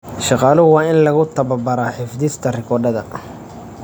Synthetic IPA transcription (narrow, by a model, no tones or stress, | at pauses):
ʃɑqɑːlʊwɑːɪnlɐɣʊt̪ʰɐβɐbɐɾaːħɪfd̪ɪst̪ʰɐrɪkʰɔɖɐðɐ